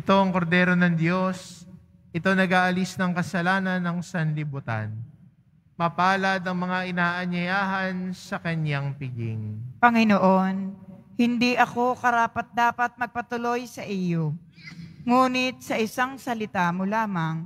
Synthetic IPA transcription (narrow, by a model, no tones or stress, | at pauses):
ʔɪt̪o̞ʔɐŋko̞ɾd̪ɛːɾo̞nɐŋd̪jo̞s | ʔɪt̪o̞nɐɡaːʔɐlisnɐŋkɐsɐlaːnɐnɐŋsɐnlɪbʊt̪a̰n | mɐpaːlɐd̪ɐŋmɐŋaʔɪnaːʔɐɲɐjaːɦɐnsɐkɐnjaŋpɪɡɪ̰ŋpɐŋɪnoʔo̞nhɪnd̪iʔɐko̞kɐɾaːpɐt̪̚d̪aːpɐt̪̚mɐɡ̚pɐt̪ʊlo̞jsɐʔijo̞ | ŋuːnɪt̪̚sɐʔɪsaŋsɐlɪt̪amolaːmɐŋ